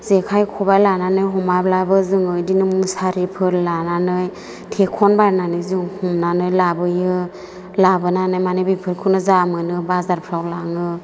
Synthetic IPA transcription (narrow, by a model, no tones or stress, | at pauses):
zekʰajkʰɔbajlananɯjɦɔmablabɯzɯŋɯdinɯmusaɾipʰɯɾlananɯj | tʰekʰɔnbaɾnanɯjzɯŋhumnanɯjlabɯjɯ | labɯnanɯjmanɯjbipʰɯɾkʰɯnɯzamɯnɯbazaɾpʰɾawlaŋɯ